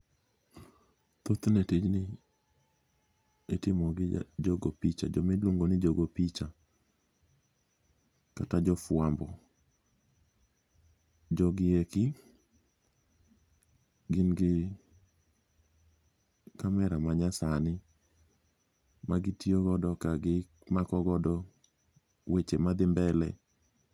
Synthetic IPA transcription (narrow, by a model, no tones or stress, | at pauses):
t̪ot̪netid͡ʒnɪ | etɪmɔɡɪ̰d͡ʒoɡopit͡ʃa̰d͡ʒɔmeloŋɡonɪd͡ʒoɡopit͡ʃa | katad͡ʒɔfwambɔ | d͡ʒɔɡɪekɪ | ɡɪnɡɪ | kamɛɾamaɲasanɪ | maɡɪtioɡɔdɔkaɡɪ | makɔɡɔdɔ | wet͡ʃemad̪ɪmbɛlɛ̰